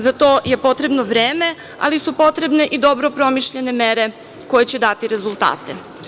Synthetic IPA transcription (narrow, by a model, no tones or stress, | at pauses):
zat̪o̞ːje̞po̞t̪ɾebno̞ʋɾeːme̞ | a̰lisupo̞t̪ɾe̞bne̞ʔid̪o̞bɾo̞pɾo̞miʃʎe̞ne̞me̞ɾe̞ | ko̞jet͡ɕe̞d̪at̪iɾe̞zulˠt̪a̰ːt̪e